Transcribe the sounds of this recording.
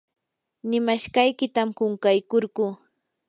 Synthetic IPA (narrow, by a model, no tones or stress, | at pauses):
nɪmaʃɢɑjkɪt̪amkʊŋkajkoɾɢʊ